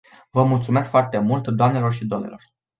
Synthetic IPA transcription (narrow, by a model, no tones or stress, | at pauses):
vəmult̪sume̞skfoart̪e̞mult̪d̪oamne̞lo̞rʃid̪oomnḛlor